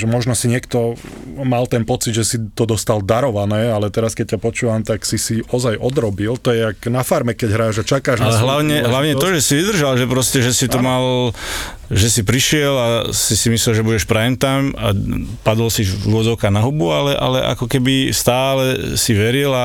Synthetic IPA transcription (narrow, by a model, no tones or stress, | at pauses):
ʒɛmɔʒnɔsiɲɪɛkt̪ɔmalt̪ɛnpɔt͡sid̪ʒɛsit̪ɔd̪ɔst̪ald̪aɾɔʋanɛːalɛt̪ɛɾaskɛc̚capɔt͡ʃuːʋamt̪aksisiɔzajʔɔd̪ɾɔbilt̪ɔjɛaknafaɾmɛkɛɟɦɾaːʒat͡ʃakaːʒalɛɦlaʊɲɛɦlaʊɲɛt̪ɔʒɛsiʋid̪r̩ʒalʒɛpɾɔscɛʒɛsit̪ɔmal | ʒɛsipɾiʃɪɛlasisimislɛlʒɛbuɟɛʃpɾaɛnt̪ama̰pad̪ɔlsiuɔd͡zɔʊkanaɦubualɛʔa̰lɛʔa̰kɔkɛbist̪aːlɛsiʋɛɾila